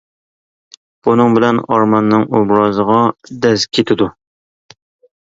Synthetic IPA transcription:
b̥unɨŋbɪlɛnɑɾmɑnːɨŋobɾɑzəʁɑd̪ɛzkʲʰet̪ʰɪd̪u

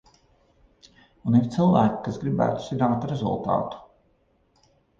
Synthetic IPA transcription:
uniɾt̪silˠvæːki̥kasɡɾibæ̰ːt̪u̥siɾaːt̪ɾezṵlˠt̪ɑ̰ːt̪u̥

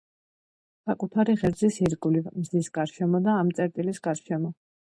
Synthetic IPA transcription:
sakʼut̪ʰaɾiʁɛɾd̪zisiɾɡulimzdisɡ̥aɾʃɛmɔd̪aːmt̪sʼɛɾt̪ʼilisɡ̥aɾʃɛmɔ

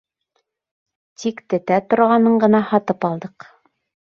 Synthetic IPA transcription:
t̪ʰikt̪ɘ̆t̪æt̪ŏɾʁɑnɤɴɢɤ̆nɑhɑt̪ɤpɑlˠd̪ɤq

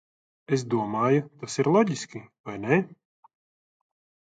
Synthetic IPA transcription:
es̬d̪uɔmaːjut̪asiɾlˠɔɟʲiskʲivajnɛ

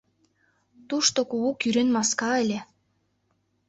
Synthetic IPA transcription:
t̪uʃt̪okuukyɾenmɑskɑelʲĕ

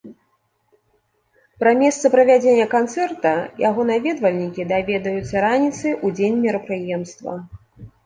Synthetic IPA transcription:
pɾɐmʲɛst̪sɐpɾɐvʲad͡zʲenʲːɐkant̪sɛrt̪ɐjaɣɔnavʲɛd̪vɐlʲnʲikʲid̪avʲɛd̪ɐjut̪sɐɾanʲit̪sɨʔud͡zʲenʲmʲiɾɐpɾɨjɛmst̪vɐ̰

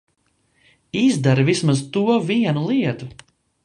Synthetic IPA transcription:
izd̪aɾvismazt̪uɔviɛnulˠiɛt̪u

